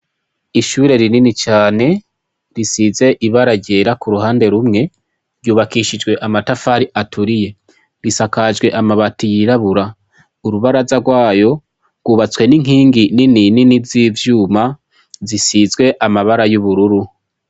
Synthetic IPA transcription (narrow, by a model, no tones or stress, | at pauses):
iʃuːɾe̞ɾininit͡ʃaːne̞ | ɾisize̞ʔiβaɾaɟe̞ːɾakuɾuhaːnde̞ɾumŋe̞ | ɾjuːβakiʃid͡ʒɡwe̞ʔamatafaɾiʔatʰuɾije̞ | ɾisakad͡ʒɡwe̞ʔamaβatijiɾaβuɾa | uɾuβaɾazaɡwaːjo̞ | ɡ̥uːβat͡swe̞niŋ̥ɦiːŋɡininininivziːvjuːma | zisizɡwe̞ʔamaβaɾajuβuɾuɾu